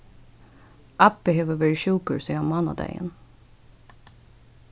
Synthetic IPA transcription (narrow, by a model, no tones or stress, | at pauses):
ʔɑpəheːʋəʋeɹɪʃuːkəɹsiːɑnmɑnɑ̰d̪æ̰ɪə̰n